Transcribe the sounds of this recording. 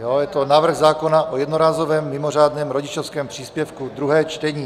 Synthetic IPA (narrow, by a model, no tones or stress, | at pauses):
jojɛt̪onaːvr̩ɣzaːkonaʔojɛd̪noɾaːzovɛːmːɪmor̝aːd̪nɛːmɾoɟɪt͡ʃofskɛːmpr̥iːspjɛfkud̪ɾuɦɛːt͡ʃt̪ɛɲiː